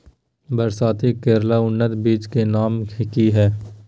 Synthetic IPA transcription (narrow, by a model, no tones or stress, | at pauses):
bəɾsaːt̪ikeːɾlaʊnːət̪biːt͡ʃkenaːmkʰɪkiɦɛː